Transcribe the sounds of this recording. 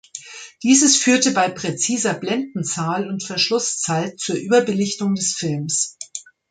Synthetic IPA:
d̥iːzəsfyːɐtəbaɪpʁ̥et͡siːzɐblɛndn̩t͡saːlʊntfɛɐʃlʊst͡saɪtt͡suːɐʔyːbɐbəlɪçtʊŋdɛsfɪlms

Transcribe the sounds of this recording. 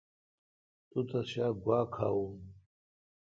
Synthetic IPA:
tʼutʰaʃaɡʷakʰa̰wun

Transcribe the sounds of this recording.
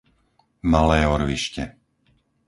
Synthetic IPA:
malɛːɔɾʋiʃcɛ

